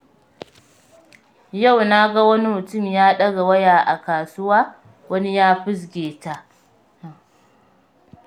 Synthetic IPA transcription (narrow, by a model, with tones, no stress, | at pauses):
ja˦˨wna˦ɡa˦wɐ˦ni˦mʊ˨tʊ˦˨mjaː˦ɗɐ˦ɡa˨wɐ˦jaː˨ʔa˨kaː˨sʊ˦waː˦ | wɐ˦ni˦jaː˦ɸʊ˦s̬ɡʲeː˨ta˦ʔ